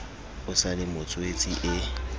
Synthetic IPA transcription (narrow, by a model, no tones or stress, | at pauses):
ʊsalɪmʊt͡sʼʊet͡sʼiʔɪ